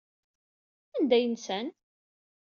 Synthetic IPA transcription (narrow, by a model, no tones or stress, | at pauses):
ænd̪æjənsæn